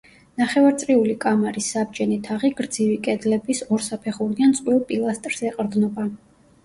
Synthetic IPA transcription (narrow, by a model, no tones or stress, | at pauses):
naχɛvaɾt̪sʼɾiulikʼamaɾisːab̚d͡ʒɛnit̪ʰaʁiɡɾd̪zivikʼɛd̪lɛbisɔɾsapʰɛχuɾiant̪sʼqʼwilˠpʼilˠast̪ʼɾz̥ɛqʼɾd̪nɔba